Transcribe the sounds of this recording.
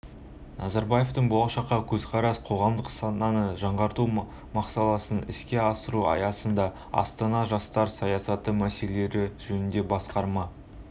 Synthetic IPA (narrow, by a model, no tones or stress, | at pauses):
nʔɑzɑɾbɑje̞ft̪əɴbolˠɑʃɑqːɑkʲʰɵzqʰɑɾɑsqʰo̞ʁɑmd̪əqsɑnɑnəʒɑɴʁɑɾt̪u | mɑqsɑlˠɑsənɪ̰skʲe̞ɑsəɾuɑ̰jɑsənd̪ɑ | ɑ̰st̪ɑnɑʒɑst̪ɑɾsɑjɑsɑt̪əmæse̞lee̞ɾɪʒ̥ɵnɪnd̪e̞bɑsqɑɾmɑ